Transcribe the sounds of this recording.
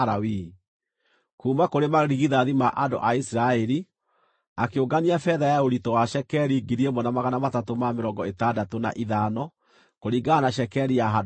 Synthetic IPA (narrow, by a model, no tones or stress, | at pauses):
ɾawi | kuːmakoɾemaɾiɣiðaðimaʔado̰ʔaisiɾaɛɾi | akeoɡaniafɛðajaoɾitɔwaʃɛkɛɾiɡiɾiemɔnamaɣanamatatomameɾɔŋɡɔetadatona̰ʔiðanɔ | koɾiɡanaʃɛkɛɾijaɦa